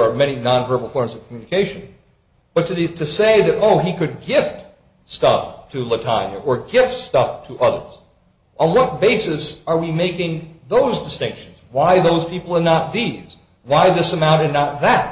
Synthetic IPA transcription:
ə˞mɛñinɑ̃nvɜ˞bl̩ˠfɔɹmzʌv̥kʰmjʉnɨkʰeɪʃɨ̃n | b̥ʌtʰɨtʰɨseɪðɨɾoʊikɨd̚ɡɪft | stʌftʰɨlətʰã̰nɨ̰ʔə˞ɡɪftstʌftʰɨʔʌðə̰˞z̥ | ʔə̃n̩wʌt̚b̥eɪsɨsə˞wimeɪkɪ̃ŋðoʊzdɨstɪ̃ŋkʃn̩zwaɪðoʊz̥pʰipl̩ˠə˞nət̪̚ðiz̥ | waɪðɪsəmãʊ̃ɾ̃ɨdⁿnət̪̚ðɨt̚

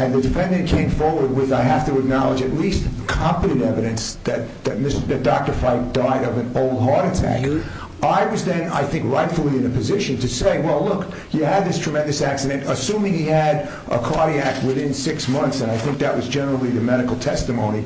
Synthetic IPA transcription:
ɨ̃nðɨdɨfɛ̃ndɨ̃nkʰẽɪ̃ɱfɔɹwə˞d̚wɪðaɪɦæftɨɨk̚nɑlˠəd͡ʒɨtˡlistkʰɑ̃mpɨɾɨ̃ɾɛvɨɾɨ̃nsðɨt̪̚ðɨt̚mɪstðɨt̚d̥ɑk̚tə˞faɪk̚d̥aɪɾʌvɨ̃noʊlˠd̚ɦɑɹɾɨtʰæ̰k | aɪwʌzðɨ̃na̰ɪθɪ̃ŋkɹaɪtfl̩ˠiɨ̃nɨpʰɨzɪʃɨ̃ntʰɨseɪwɛlˠlʊk | jɨɨd̪̚ðɪstʰɹ̥ɨmɛ̃ndɨsæksɨɾɨ̃ntəsũmɪ̃ŋiɨɾ | ʔə̰kʰɑɹɾiæk̚t̚wɨðɪ̃nsɪksmʌ̃nθsɨ̃ñaɪθɪ̃ŋk̚ðɨʔ̚wʌzd͡ʒɛnə˞l̩ˠiðɨmɛɾɨkl̩ˠtʰɛstɨmõʊ̃ñi

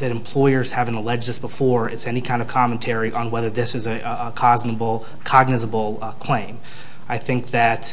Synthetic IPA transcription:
ðɨɾɨ̃m̩pʰl̥ɔɪə˞z̥hævɨ̃n̩əlɛd͡ʒðɪsb̥əfɔɹɪtsɛnikʰãɪ̃ndʌv̥kʰɑmɨ̃n̩tʰɛɹiʔə̃nwɛðə˞ðɪsɨzɨ | kʰɑznəbl̩ˠ | kʰɑɡ̚nɨzəbl̩ˠ | kʰl̥ẽɪ̃m | aɪθɪ̃ŋk̚ðɨt

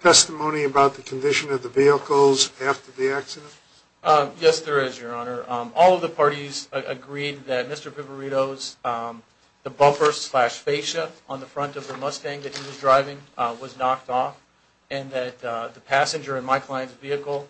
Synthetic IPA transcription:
tʰɛstəmõʊ̃ñiɨbaʊt̪̚ðɨkʰn̩dɪʃɨ̃nʌvðɨviəkl̩ˠzæftə˞ðiæksɨɾə̃nt | jɛsðə˞ɪzjə˞ɑnə˞ɔlˠʌvðəpʰɑɹɾizɨ̰ɡɹid̪̚ðɨt̚mɪstə˞pɪvə˞iɾoʊz | ðɨbʌfə˞stslæʃfeɪʃɨə̃nðəfɹʌ̃ntʌvðəmʌstæ̃ŋðɨt̚hiwʌzdɹaɪvɪ̃ŋwʌznɑk̚tɔf | ɨ̃nðɨt̪̚ðɨpʰæsɨ̃nd͡ʒə˞ɨ̃nmaɪkʰl̥aɪɨ̃ntsviɨkl̩ˠ

